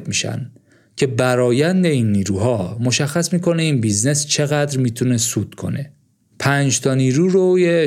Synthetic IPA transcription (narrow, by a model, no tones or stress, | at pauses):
miːʃæ̰n | cʰe̞bæɾɒːjænd̪e̞iːnːiːɾuːɦɒːmo̞ʃæxːæsmiːkʰoneiːnbizne̞st͡ʃʰe̞ɣæd̪ɾmiːt̪ʰune̞suːd̪̥kʰo̞̰ne̞ | pʰæːnd͡ʒt̪ʰɒːniːɾuːɾoje